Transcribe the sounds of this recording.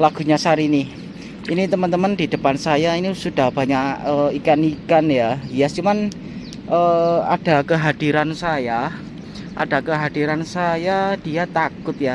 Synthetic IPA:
laɡ̥ṳɲasaɾini | init̪əmənt̪əməndi̤d̥ə̤pansajainisud̥ahb̥a̤ɲaʔəikanikanjaijast͡ʃuman | ʔəa̰d̥a̤kəɦad̥i̤ɾansaja | ʔa̰d̥a̤kəɦad̥iɾansajad̥iat̪akʊt̪̚ja

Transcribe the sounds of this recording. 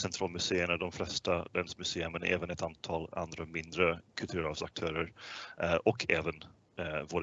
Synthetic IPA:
sɛnt̪ɾɑːlmɵseːənad̪ɔmflɛst̪ad̪ɛnsmɵseːʉmən̰ʔɛ̰ːvənɛt̪ant̪ʰɑːla̰nd̪ɾamɪnd̪ɾəkʰɵlt̪ʰʉːɾavsak̚t̪ʰœːɾəɾ | ʔɔkʰːɛːvən | voːd̪

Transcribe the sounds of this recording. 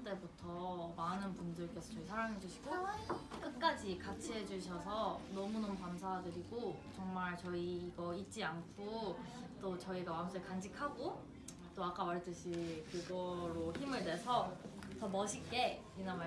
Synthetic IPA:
t͈e̞butʰʌmanɯnpundɯɭk͈e̞sʰʌt͡ɕʌisʰaɾaŋɦe̞d͡ʑuɕʰi̥ɡok͈ɯt̚k͈ad͡ʑikat͡ɕʰiɦe̞d͡ʑuɕʰʌsʰʌnʌmunʌmukamsʰadɯɾiɡot͡ɕʌŋmaɭt͡ɕʌiːɡʌit̚t͡ɕ͈iankʰot͈ot͡ɕʌiɡawaŋsʰɯɭkand͡ʑikʰaɡo | t͈oak͈awaɭet͈ɯɕʰikɯɡʌɾoçimɯɭnwe̞sʰʌtʌmʌɕʰik͈e̞ | inama

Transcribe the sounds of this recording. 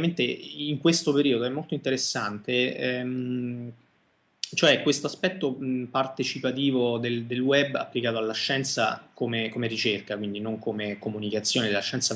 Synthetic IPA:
ment̪eiŋkwest̪opeɾiod̪oɛmːolt̪oint̪eɾesːant̪eɛ | t͡ʃoɛkwest̪oaspɛt̪ːopart̪et͡ʃipat̪iːvod̪eld̪elwɛbːa̰pːlikaːt̪oalːaʃːɛnt̪sa̰komekomeɾit͡ʃerkakwind̪inoŋkomekomunikat̪sːjoːned̪elːaʃːɛnsa

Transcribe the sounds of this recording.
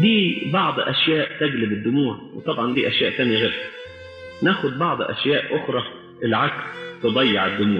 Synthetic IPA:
d̪iːbɑʕd̪ˤʔæ̰ʃjæːʔt̪æɡlɪbɪd̪ːʊmuːʕwɪt̪ˤɑbʕɑnd̪ḭːʔæʃjæːʔt̪æːnjiɣeːɾhæ̥ | næːxʊd̪̚bɑʕd̪ˤʔæ̰ʃjæːʔʔʊxɾˤɑ | ʔɪlʕakst̪ɨd̪ˤɑjːɑʕɪd̪ːʊmuːʕ

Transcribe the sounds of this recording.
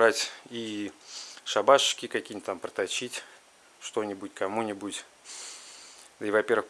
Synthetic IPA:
ɾatʲi | ʂɐbaʂɕkʲɪkɐkʲinʲt̪ʲt̪ampɾət̪ɐt͡ɕːitʲ | ʂt̪o̞nʲɪbʊtʲkɐmunʲɪbʊtʲ | d̪əivɐpʲe̞rʋəx

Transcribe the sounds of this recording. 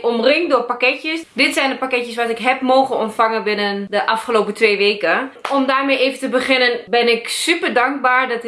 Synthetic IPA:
ʔɔmrɪŋdorpakɛtjəsdɪtsɛjndəpakɛtjəsʋatɪkɦɛpmoːɣənɔntfaŋənbɪnəndəʔafχəloːpətʋeːʋeːkəɔmdaːrmejeːvəntəbəχɪnənbɪnɪksypərdaŋk̚baːɹdɔt

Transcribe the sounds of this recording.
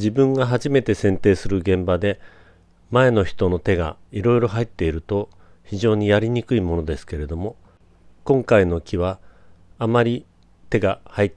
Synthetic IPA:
d͡ʑibɯ̟̃ŋɡaɦaʑime̞t̪e̞sẽ̞nt̪e̞ːsɨɾɯ̟ɡẽ̞mbad̪e̞ | mae̞no̞çi̥t̪o̞no̞t̪e̞ɡa̰ | iɾo̞iɾo̞ɦait̪ːe̞iɾɯ̟t̪o̞ | çiʑo̞ːɲ̟ijaɾʲiɲ̟ikɯ̟imo̞no̞d̪e̞sɨ̥ke̞ɾe̞d̪o̞mo̞ | kõ̞ŋkaino̞kʲʰiβ̞aː | maɾʲi | t̪e̞ɡahait̪ː

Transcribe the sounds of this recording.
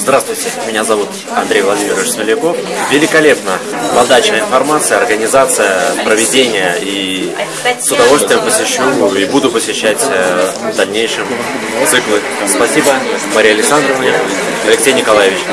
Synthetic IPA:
zd̪ɾast̪vʊjtʲɪmʲɪnʲazɐvut̪ | ɐ̰nd̪ɾʲejvlˠɐdʲimʲɪɾvɪʃsʲmʲɪlʲɪko̞fvʲɪlʲɪkɐlʲe̞pnə | pɐd̪at͡ɕ̪əɪnfɐrmat̪sɨjəɐrɡənʲɪzat̪sɨjəpɾəvʲɪdʲenʲɪjəi | sʊd̪ɐvo̞lʲst̪vʲɪjɪmpəsʲɪɕːuibud̪ʊpəsʲɪɕːætʲəvd̪ɐlʲnʲejʂɨm | t̪sɨklˠɨ | spɐsʲibə | mɐɾʲijɐlʲɪksand̪ɾəvnənʲɪ | ɐlʲɪksʲejnʲɪkɐlˠajɪvʲɪt͡ɕ

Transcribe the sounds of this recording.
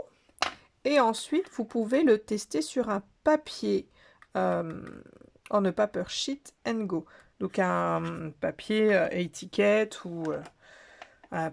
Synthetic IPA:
eɑ̃sɥit̪vupuvelət̪ɛst̪esyʁɛ̃papje | øm | ɑ̃nəpapœʁʃit̪ɛnɡo | d̪ɔ̃kɛ̃papjeøʔet̪ʰikʲɛt̪ʰuø | ɛ̃

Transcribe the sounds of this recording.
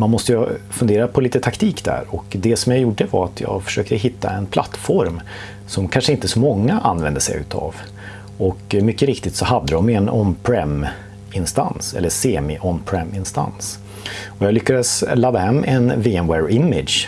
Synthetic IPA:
manmɔst̪əjfɵnd̪eːɾapʰɔliːt̪ət̪ʰakt̪ʰiːkd̪æ̰ɾɔkd̪ɛsɔmjajuɖəvaɾat̪ʰjɑ̰ːɡfœ̥ʂøːk̚t̪əɦɪt̪ːa̰ɛnpʰla̰t̪ːfɔɾm | sɔmkʰanʂəɪnt̪əsɔmɔŋːaʔa̰nːvɛnd̪əsɛ̰jʉ̟ːt̪ʰa̰v | ɔkmʏkːəɾɪkt̪ɪt̪sɔhad̪ːəd̪ɔmɛnɔ̰npʰɾɛm | ɪnst̪a̰nsɛ̰lːəʂeːmɪʔɔnpʰɾɛmɪnst̪a̰ns | ɔjɑːɡlʏkːad̪əslaːd̪aɦɛmːɛnviɛnwɛɾɪmːɪd̪j

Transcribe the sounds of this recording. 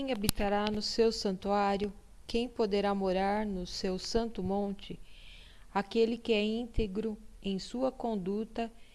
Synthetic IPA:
ẽj̃abit̪aɾanʊsewsɐ̃nt̪uaɾjʊ | kẽj̃pod̪eɾamoɾaɾnʊsewsɐ̃nt̪ʊmõnt͡ʃɪ | akelɪkɪɛĩnt̪eɡɾʊẽj̃suɐkõnd̪ut̪ɐ

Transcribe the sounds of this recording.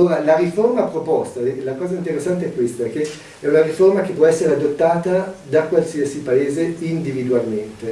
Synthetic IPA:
oːɾalaɾiformapɾopɔst̪alakɔːzaint̪eɾesːant̪̬eɛkːwest̪aɛkːe | ɛunaɾiformakepːwɔɛsːeɾead̪ot̪ːaːt̪ad̪akwalsiasipaeːzeind̪ivid̪ualment̪e

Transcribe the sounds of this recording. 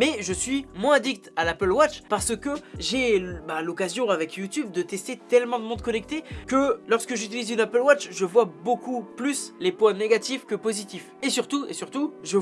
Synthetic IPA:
mɛʒəsɥimwɛ̃d̪ik̚t̪alapəlwat͡ʃpaʁsəkəʒebalɔkazjɔ̃avɛkʰjut̪yb̚d̪ət̪ɛst̪et̪ɛlmɑ̃d̪əmɔ̃d̪kɔnɛk̚t̪ekəlɔʁskəʒyt̪ilizynapəlwat͡ʃʒəvwabokuplyslepwɛ̃neɡʲat̪ifkəpozit̪ifesyʁt̪uḛsyʁt̪uʒə

